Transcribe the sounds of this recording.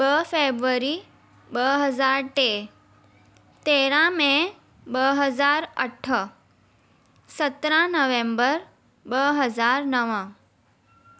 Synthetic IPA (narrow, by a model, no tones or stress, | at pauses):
bəfebɾəɾi | bəɦəzaːɾʈe | t̪eːɾãmẽ | bəɦəzaːɾəʈʰə | sət̪ɾãnəʋẽmbəɾ | bəɦəzaːɾnəʋə̃